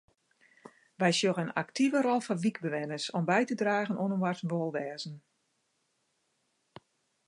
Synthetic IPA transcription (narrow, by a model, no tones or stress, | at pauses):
ʋɛjsjoɣəna̰ktʰivəɾɔlˠfɔnʋikbəʋɛnəsɔmbɛjtədraːɣənʔonənʋwartənʋolˠʋɛːzn̩